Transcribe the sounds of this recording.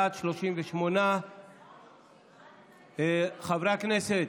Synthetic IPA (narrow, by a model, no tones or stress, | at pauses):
t̪ʃloʃimveʃmona | χavɾakneset̪